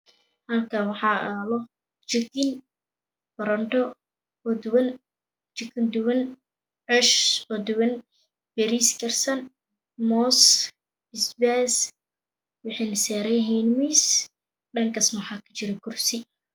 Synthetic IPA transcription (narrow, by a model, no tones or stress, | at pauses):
hɐlkʰawɑħɑːalɔ | t͡ʃɪkɪn | bɐɾɐnt̪ɔ | ɔd̪wɐn | t͡ʃɪkɪnd̪ʊwɐn | ʕɛʃɔd̪ʊwɐn | b̥ɛɾiskʰɐrsɐn | mɔs | ɪsbɛs | wɑħiːnɐsɛːɾɛjɦiːnmis | ɖɐŋkʰɐsnwħɑːkʰɐ̥t͡ʃɪɾɛkʰʊrsɪ